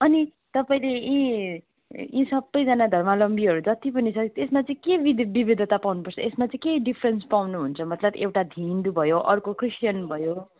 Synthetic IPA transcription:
ʌni | t̪ʌpaĩleĩ | ḭ̃sʌbːʌjd͡zʌnad̪ʱʌrmalʌmbiɦʌɾud͡zʌt̪ipʌnit͡sʰʌt̪esmat͡sʌĩkebid̪bibid̪ʱʌt̪apawnupʌrt͡sʰʌesmat͡sʌ̃ĩkeɖipʰrenspawnuɦunt͡sʰʌmʌt̪lʌbewʈad̪ʱind̪ubʱʌjoʔʌrkokʰrisʈjʌnbʱʌjo

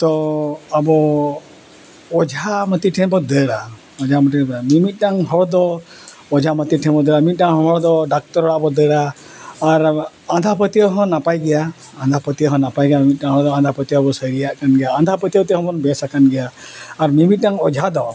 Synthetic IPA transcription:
t̪ɔabɔ | ɔd͡ʒʱamət̪iʈʰɛ̃bɔd̪ɛɽa | ɔd͡ʒʱaməʈibamimit̪̚ˀɖaŋɦɔɽd̪ɔ | ɔd͡ʒʱamət̪iʈʰɛ̃bɔd̪ɛɽaimit̪̚daŋɦɔ̃ɦɔɽd̪ɔɖak̚t̪ɔɾɔɽaʔbɔd̪ɛɽaː | ɾ | ãnd̪ʱapət̪iɔɦɔ̃napajɡɛja | ãnd̪ʱapət̪iɔɦɔ̃napajɡɛjamimit̪̚ˀdaŋɦɔɽd̪ɔand̪ʱapət̪iɔbɔsəjɾijaʔkanɡɛjaãnd̪ʱapət̪iɔt̪ɛɦɔ̃bɔnbɛsakanɡɛjaːɾmimit̪̚ˀʈaŋɔd͡ʒʱad̪ɔ

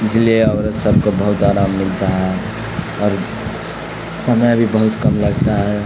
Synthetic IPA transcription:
d͡ʒleɔːɾsəb̚ʱkobəɦut̪aːɾaːmːɪlt̪aɦɛ | ɔːɾ | səmjabʱibəɦʊt̪kəmləɡt̪aɦɛ

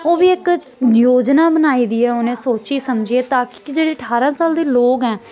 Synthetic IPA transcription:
oːʋiːɪk | njoːd͡ʒnaːbənaːiːd̪iːɛːonẽːsoːt͡ʃiːsəmd͡ʒieːt̪aːkɪ̥kɪd͡ʒeːɽeːəʈʰaːɾãːsaːld̪eːloːkɦɛː

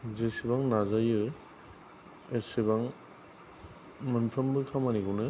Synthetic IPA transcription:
zesibaŋnazajɯ | esibaŋ | mɯnpʰɾambɯkʰamaniɡunɯ

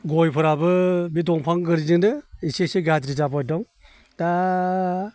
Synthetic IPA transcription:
ɡɔjpʰɯɾabɯbidɔŋpʰaŋɡɯɾiziŋnɯisesɯɡatɾizapɔjdɔŋ | ta

